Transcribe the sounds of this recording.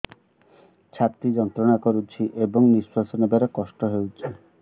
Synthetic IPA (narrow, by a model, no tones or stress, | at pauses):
t͡ɕʰat̪id͡ʒɔnt̪ɾɔnakɔɾut͡ʃʰiʔebɔŋnisasɔnebeɾekɔʃʈɔɦewt͡ʃʰi